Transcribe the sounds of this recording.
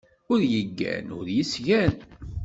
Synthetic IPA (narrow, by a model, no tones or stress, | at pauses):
ʊɾjəɡːæ̰nʊɾjəsʝæn